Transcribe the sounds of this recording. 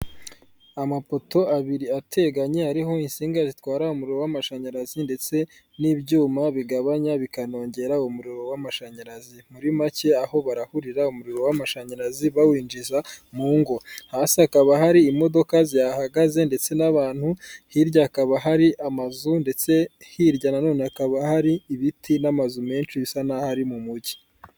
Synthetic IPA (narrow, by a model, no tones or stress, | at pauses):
amapo̞to̞aβiɾiatʰe̞ɡaɲe̞haɾiɦo̞insiːŋɡazitwaːɾaumuɾiɾo̞wamaʃaɲaɾazinde̞t͡se̞ | niːbɟuːmaβiɡaβaɲaβikano̞ːɲɟe̞ɾaumuɾiɾo̞wamaʃaɲaɾazimuɾimace̞aho̞βaɾahuɾiɾaumuɾiɾo̞wamaʃaɲaɾaziβawiːnd͡ʒizamuːŋɡo̞haːsiakaβaɦaɾiːmo̞do̞kazijahaɡaze̞nde̞t͡se̞naβaːn̥huhiɾɟakaβaɦaɾiʔamazunde̞t͡se̞hiɾɟanano̞ːneakaβahaɾiːβitʰinamazume̞ːnt͡ʃiβisanahaɾimumuɾɟi